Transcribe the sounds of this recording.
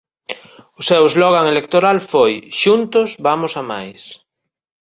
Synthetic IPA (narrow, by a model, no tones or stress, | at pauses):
ʊsɛwezlɔɣ̞aŋelek̚t̪oɾalfojʃunt̪ʊsbamʊsamajs